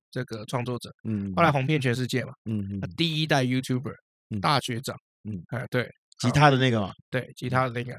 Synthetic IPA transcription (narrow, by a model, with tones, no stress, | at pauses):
ʈ͡ʂɤ˥˩ɡə˩ʈ͡ʂʰwɑ˥˧ŋt͡swɔ˥˩ʈ͡ʂɤ̰˨˩˦o˥˩la˧˥xwɑ˧˥ŋpjɛ˥˩nt͡ɕʰɥɛ˧˥nʂɻ̩˥˧t͡ɕjɛ˥˩mɐ˩˥˧t̪i˥˩i˦˥t̪a˥˩ɪju˥t̪ʰju˥˩bə̰˨˩ | t̪a˥˩ɕɥɛ˧˥ʈ͡ʂɑ˨˩˦ŋ˥˩ | ə˥˧t̪we˥˩ɪ | t͡ɕʰi˧˥t̪ʰa˥d̪ə˨ne˥˩ɡə˨mɐ̰˨˩t̪we˥˩ɪt͡ɕʰi˧˥t̪ʰa˥d̪ə˨ne˥˩ɡə̰˨˩